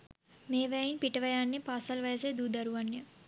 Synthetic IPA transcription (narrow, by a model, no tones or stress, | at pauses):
meːʋɐjjinpiʈɐʋɐjaːnːepaːsɐlʋɐjɐsed̪uːd̪ɐɾuʋɐnːjɐ